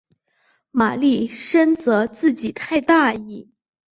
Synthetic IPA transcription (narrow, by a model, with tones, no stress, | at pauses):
ma˨˩li˥˩ʂə˥nt͡sɤ˧˥t͡sɹ̩˥˩t͡ɕi˨˩t̪ʰa˥˧ɪt̪a˥˧i˥˩